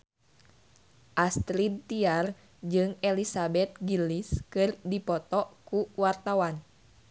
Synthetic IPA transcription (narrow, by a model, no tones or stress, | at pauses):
ʔast̪ɾid̪̚t̪iar | d͡ʒɨŋɛlisabɛt̪̚ɡiliskɨrdipɔt̪ɔkuwart̪awan